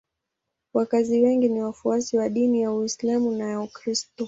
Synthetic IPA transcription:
wakaziwɛŋɡiniwafuasiwaɗinijawislamunajaukɾistɔ

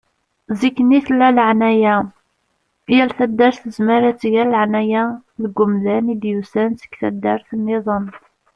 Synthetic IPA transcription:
zikːniθlːæləʕnæjæ | jælθæd̪ːæɾθəzməɾæt͡sːʝællʕnæjælɡːʊmðænid̪jusænsə̥kθæ̰d̪ːæɾθənːeðˤən

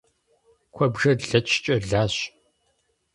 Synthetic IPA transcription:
kʷʰɔbʒɐɮɐt͡ʃʰt͡ʃʼɐɮaːɕ

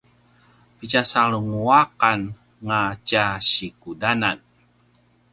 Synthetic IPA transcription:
pit͡ʃasaluŋuakan | ŋat͡ʃaɕikudanan

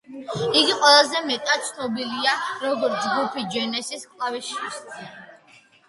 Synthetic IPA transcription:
iɡiqʼwɛlˠazɛmɛt̪ʼat̪̚t̪sʰnɔbiliaɾɔɡɔɾt̪ʰd͡ʒɡupʰid͡ʒɛnɛsiskʼlˠaviʃis

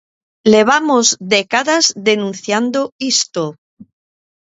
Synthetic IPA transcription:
le̞β̞amozdekaðazðe̞nũnθjand̪oist̪o

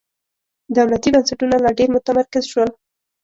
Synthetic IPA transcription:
d̪awlat̪ibansaʈunalaɖeɾmʊt̪amaɾkɪzʃwəl

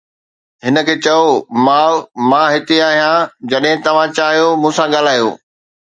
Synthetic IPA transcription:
ɦɪnə̆kʰeːt͡ɕɐjomãːmãːɦɪt̪eaːɦijãd͡ʑɐɗɦɪ̃t̪ɐʋ̤ãt͡ɕaːɦijomũːsãɠaːl̤aːjo̰ː

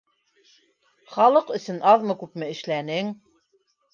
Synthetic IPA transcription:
χɑlˠɤqɵ̆sɵnɑðmɤkʉpmɘɘ̆ʃlænɘŋ

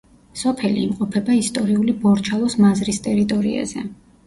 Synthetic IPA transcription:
sɔpʰɛlḭːmqʼɔpʰɛbaist̪ʼɔɾiulibɔɾt͡ʃʰalˠɔsmazɾist̪ʼɛɾit̪ʼɔɾḭa̰zɛ

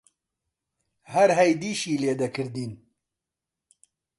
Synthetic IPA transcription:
hɐɾɦɛjd̪iːʃiːleːd̪ɐkʰɨɾd̪iːn

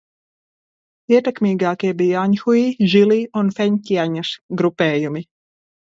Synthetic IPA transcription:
iɛt̪ɛkmiːɡaːkiɛbijaaɲxuiʒilˠiːunfɛɲcʲiɛɲasɡɾupɛːjumi

